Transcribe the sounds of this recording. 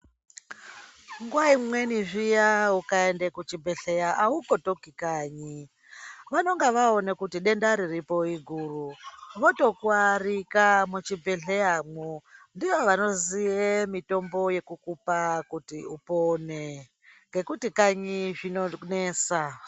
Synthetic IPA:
ŋɡwaimwe̞niʐijaukaendekut͡ʃibʱeɬe̞jaʔauko̞tokikaːɲi | ʋano̞ŋɡeʋaonekutiɗe̞ndaɾiripo̞iɡʱuːruʋoto̞kwarikamut͡ʃibʱeɬe̞jamondiʋoʋano̞ziemito̞mbo̞je̞kukupakutiupone̞ | ŋɡe̞kutikaɲiʐinoneːsa

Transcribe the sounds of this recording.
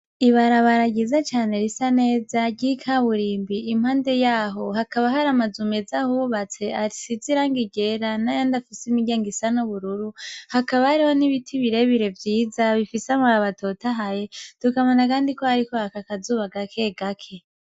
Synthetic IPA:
iβaɾaβaɾaɡizat͡ʃaːne̞ɾisane̞ːzaɟikʰaβuɾiːmbiːm̥haːnde̞jaːɦo̞ɦakaβaɦaɾamazumezahuβuβat͡se̞aɾi̥siziɾaːŋɡiɟe̞ɾanajandafisimiɟeːŋɡisanoβuɾuɾuhakaβahaɾiho̞niβitʰiβiɾe̞βiɾe̞vjiːzaβifisamaɾaβato̞taɦajetukaβonakaːndiko̞haɾikohakakazuːβaɡakʰe̞ɡakʰe̞

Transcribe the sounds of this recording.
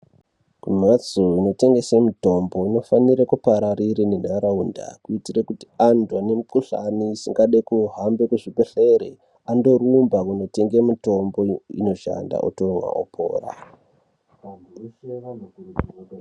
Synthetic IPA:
kumat͡suino̞te̞ŋɡe̞semuto̞mbo̞ino̞faniɾekupaɾariɾinen̤aɾaunda̰kuitirekuti̥andwane̞mukuɬa̰niːsiŋɡaɗekuɦambe̞kuʐikeɬeɾḛ | ando̞rumbakuno̞te̞ŋɡemuto̞mbo̞ḭno̞ʃa̰nda̰ʔṵtomwa̰o̰pʰo̰ːra̰

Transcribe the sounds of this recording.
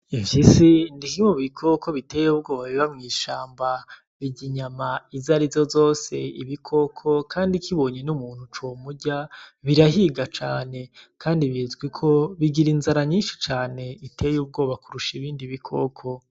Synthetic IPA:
ivisindihimoβikʰo̞ko̞βite̞ːjuub̚ɡo̞ːβaβiβamŋiːʃaːmba | βiɟiɲamaizaɾizzo̞zo̞ːse̞iβikʰo̞kʰo̞kaːndikʰiβo̞ːɲenumuːn̥hut͡ʃomuɟaβiɾaɦiɡat͡ʃaːne̞kʰaːndiβjizɡwikʰoβiɡiɾinzaɾaɲiːnʃi̥t͡ʃaːne̞itʰe̞juːb̚ɡo̞ːβakuɾuʃiβiːndiβikʰo̞̰kʰo̞

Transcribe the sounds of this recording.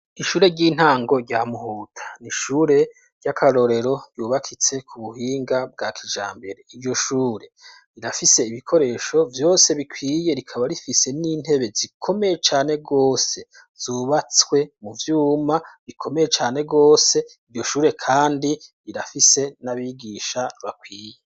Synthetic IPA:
iʃuːɾe̞ɟiːn̥haːŋɡo̞ɾɟamuhuːtʰḁniʃuːɾe̞ | ɟ̥akʰaɾo̞ɾe̞ɾo̞ɟ̥juːβakʰit͡se̞kʰuβuɦiːŋɡab̚ɡaːkʰiʒa̰ːmbe̞ɾe̞iɾɟo̞ʃuːɾe̞ | ɾiɾafise̞iβikʰo̞ɾe̞ːʃo̞vjo̞ːse̞βikʰwiːje̞ɾikʰaβaɾifise̞niːn̥e̞βe̞zikʰo̞me̞je̞t͡ʃaːne̞ɡo̞ːse̞ | z̥uːβat͡swe̞muvjuːmaβikʰo̞me̞jet͡ʃaːne̞ɡo̞ːse̞iɾɟo̞ʃuːɾe̞kʰaːndiɾiɾafise̞naβiɡiːʃaβakwiːje

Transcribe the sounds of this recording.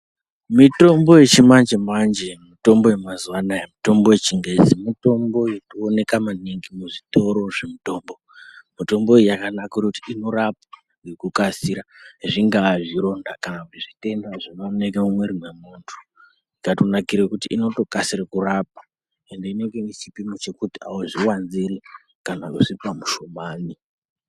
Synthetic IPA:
mito̞mbo̞je̞t͡ʃimand͡ʒemand͡ʒemito̞mbo̞je̞mazuʋanajamito̞mbo̞jet͡ʃiŋɡed͡zimito̞mbo̞jetuone̞kamaniŋɡimuʐito̞ɾo̞ʐe̞mito̞ːmbo̞ | mito̞mbo̞ejjakanakurekutiino̞ɾap̚a | ŋɡekukasiɾaʐiŋɡaːʐiɾo̞ndakanakutiʐite̞ndaʐinonekemumweɾimwemuːntʰu̥ | ikatonakiɾekutiʔino̞to̞kasiɾekuɾap̚ḁ | e̞ndeine̞ŋɡe̞it͡ʃipimot͡ʃe̞kutiawoʐiwanziɾe | kanakusipamuʃomaːni

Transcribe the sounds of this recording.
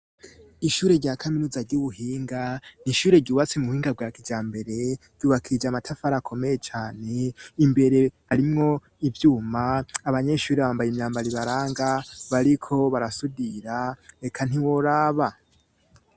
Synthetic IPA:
iʃuːɾe̞ɾɟaːkʰaminuzaɾɟuβuɦiːŋɡaniʃuːɾe̞ɾɟuːβat͡semuhiːŋɡab̚ɡwakid͡ʒaːmbe̞ɾe̞ɾ̥ɟ̥uːβakʰid͡ʒamatʰafaɾakʰo̞me̞je̞t͡ʃaːne̞imbe̞ɾe̞ | aɾimŋo̞ | ivjuːmaːβaɲe̞ʃuːɾeβaːmbajemɲaːmbaɾiβaɾaːŋɡaβaɾikʰo̞βaɾasudiɾaekʰan̥iwoɾaːβa

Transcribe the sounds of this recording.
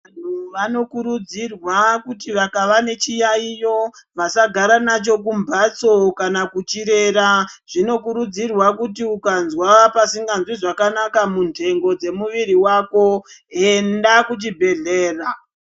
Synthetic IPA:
an̤uʋano̞kuɾud͡zirwakutiʋakaʋane̞t͡ʃijaijo̞ʋasaɡʱaɾanat͡ʃo̞k̬umbʱat͡so̞kanakut͡ʃiɾe̞ɾaʐ̥ino̞kuɾud͡zirwakutiukanzwapasiŋɡanzwiʐakanakamuntʰe̞ŋɡo̞d͡ze̞muʋiɾiwako̞e̞ndakut͡ʃibʱe̞ɮe̞ːra

